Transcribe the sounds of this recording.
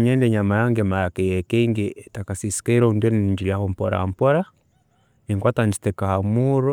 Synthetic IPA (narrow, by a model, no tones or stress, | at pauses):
ɲɛndeɲamajaŋɡemajakejɛkeiŋɡitakasisi̥kaiɾondeniniɲd͡ʒiliahom̩pɔɾa̰m̩pɔɾa | iŋkwataɲd͡ʒi̥tɛkahamuːɾo